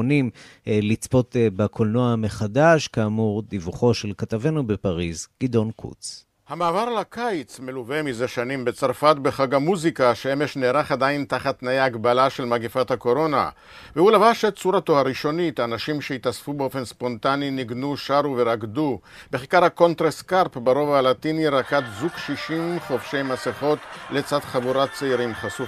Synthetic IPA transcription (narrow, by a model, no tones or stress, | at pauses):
nim | lit͡spo̞t̪bakʰolnoame̞χadaʃkaːmuʁdivuχo̞ʃe̞lkatavenubepaʁizɡ̥id̪o̞nkʰṵt͡s | hamaːvaʁalakʰajt͡sme̞luvemizaʃanimbet͡saʁfat̪beχaɡamuzikaʃeemeʃneːɾaχadaintaχat̪najeaɡbalaʃe̞lmaɡifathako̞ɾo̞na̰ | vehulavaʃet͡suɾatohaɾiʃo̞nitaːnaʃimʃehitasfubeo̞fe̞nspo̞nt̪aniniɡnuʃaɾuve̞ɾaɡdu | beχikaɾhako̞nt̪ʁeskaʁpbaʁo̞valat̪iniɾakat̪zukʃiʃimχo̞fʃe̞jmaseχo̞t̪le̞t͡sadχavuɾat͡saiɾimχasu